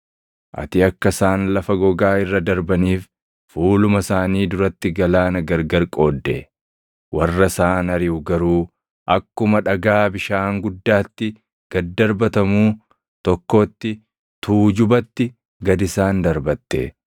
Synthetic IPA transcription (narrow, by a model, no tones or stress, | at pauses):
ʔɐ̰t̪ɪɐkːɐsaːnlɐfɐɡɔɡaːɪrːɐd̪ɐɾbɐniːf | fuːlʊmɐsaːniːd̪ʊɾɐt̪ːɪɡɐlaːnɐɡɐɾɡɐɾkʼo̞ːd̪ːḛ | wɐrːɐsaːnɐɾɪʊɡɐɾuː | ʔɐkːʊmɐᶑɐɡaːbɪʃaːŋɡʊd̪ːaːt̪ːɪ | ɡ̥ɐd̪ːɐɾbɐt̪ɐmuː | t̪ɔkːo̞ːt̪ːɪ | t̪uːd͡ʒʊbɐt̪ːɪ | ɡɐd̪ɪsaːnd̪ɐɾbɐt̪ːḛː